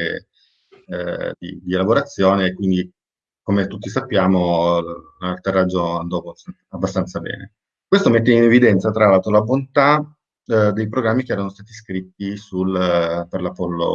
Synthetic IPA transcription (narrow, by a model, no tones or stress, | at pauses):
d̪ḭd̪ielaboɾat̪sːjoːneːkːwind̪i | komet̪ut̪ːisapːjaːmo | alt̪erːad͡ʒːoand̪ɔb | abːast̪ant̪sabɛ̰ːnḛ | kwest̪omet̪ːeinevid̪ɛnt̪sat̪ɾalalt̪olabont̪a | d̪ejpɾoɡɾamːik̟eɛːɾanost̪aːt̪iskɾit̪ːisulperlapɔlːo̰